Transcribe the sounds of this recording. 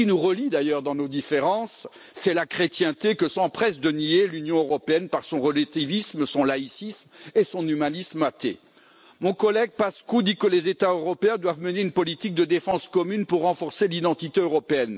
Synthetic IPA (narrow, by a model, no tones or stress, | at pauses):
inuʁəlid̪ajœʁd̪ɑ̃nod̪ifeʁɑ̃sː | ɛlakχet̪jɛ̃t̪ekəsɑ̃pχɛsd̪ənielynjɔ̃øʁɔpeɛnpaʁsɔ̃ʁəlat̪ivismsɔ̃laisismesɔ̃nymanismat̪ḛ | mɔ̃kɔlɛɡ̚paskud̪ikəlezet̪aøʁɔpeɛ̃d̪wavməneynpɔlit̪ik̚d̪əd̪efɑ̃skɔmynpuʁːɑ̃fɔʁselid̪ɑ̃t̪it̪eøʁɔpeɛn